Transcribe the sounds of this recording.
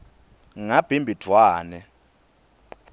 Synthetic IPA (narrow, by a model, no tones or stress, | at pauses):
ŋab̥ʱimbʱid̥ʰʱwaːnɛ